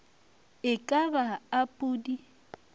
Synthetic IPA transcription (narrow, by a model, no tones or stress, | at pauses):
ɪkʼabaːpʼuːdi